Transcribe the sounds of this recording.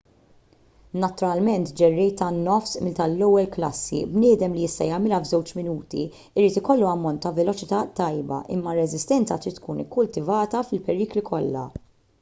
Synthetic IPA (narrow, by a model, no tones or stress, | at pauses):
nɐt̪ʊɾɐlmɛnt̪d͡ʒɛrːɛjt̪ɐnːɔfsmɪlt̪ɐlːɔwːɛlklɐsːḭbnɪːd̪ɛmlijɪst̪ɐjɐmɪlɐvzɛwt͡ʃmɪnuːt̪ḭ | ɪɾiːt̪ɪkɔlːuɐmːɔnt̪ːɐvɛlɔt͡ʃɪt̪ɐt̪ːɐjbɐ̰ʔɪ̰mːɐrːɛzɪst̪ɛnt͡sɐt̪ɾit̪ːkuːnɪkːʊlt̪ɪvɐːt̪ɐfɪlpɛɾiːklikʰɔlːɐ̰